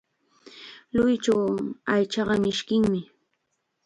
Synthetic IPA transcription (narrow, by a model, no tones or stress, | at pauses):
lʊjt͡ʃawajt͡ʃɑɢɑmɪʃkɪŋmɪ